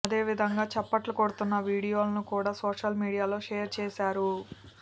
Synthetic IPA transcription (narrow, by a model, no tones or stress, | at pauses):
ɐd̪e̞ːʋid̪ʱɐŋɡaːt͡ʃɛpːɐʈlukoɽut̪unːɐʋiːɽijo̞ːlɐnukuːɽaːsoːʂɐlmiːɽijaːlo̞ːʂeːjɐɾt͡ʃɛːsaːɾu